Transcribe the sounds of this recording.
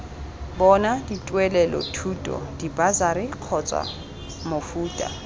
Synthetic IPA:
bɔnaditʼwɛlɛlɔ̰tʰutʼɔ̰d̥ibazaɾɪq͡χʰɔt͡sʼwa̰ | mofuːtʼa̰

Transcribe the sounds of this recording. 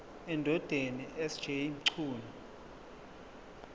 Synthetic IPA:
ɛndʱɔd̥ʱeniʔɛsd̥d͡ʒ̥ʱemǀʰuːlu

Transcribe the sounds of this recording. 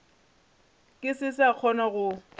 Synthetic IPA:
kʼɪsɪsaq͡χʰɔnɔɣʊ

